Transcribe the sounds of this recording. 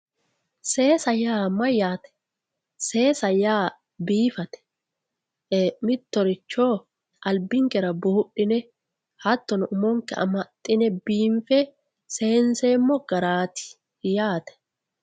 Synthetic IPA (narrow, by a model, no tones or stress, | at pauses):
se̞ːsɐjaːmɐjaːt̪ɛ̥ | se̞ːsɐjaː | biːfɐt̪ɛ̥ | mɪt̪ːɔɾɪt͡ʃːo̞ː | ʔɐlbɪŋkɛɾɐbuːʊɗɪnɛ | hɐt̪ːɔnʊʔʊmɔŋkɛɐ̰mɐt̪ʼːɪnɛbiːɱfɛ | se̞ːnseːmːɔɡ̥ɐɾaːt̪ɪ̥ | jaːt̪ɛ̥